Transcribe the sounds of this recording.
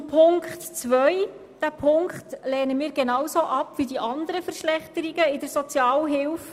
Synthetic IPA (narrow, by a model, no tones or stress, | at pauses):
pʰʊŋkχtt͡sʋœj | d̥æpʰʊŋkχtlɛːnəmiːɾɡenɑwsoʔɑpʋidiʔɑnd̪əɾəfəɾʃlɛχt̪əɾiɡəɪdəɾsɔt͡sjɑːlɦɪlf